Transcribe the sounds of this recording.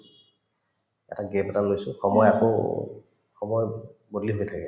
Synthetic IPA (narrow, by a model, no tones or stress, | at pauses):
ɛ̰taɡɛpɛtalojsʊxɔmɔjako̰ | xɔmɔjbodliɦojtʰakɛ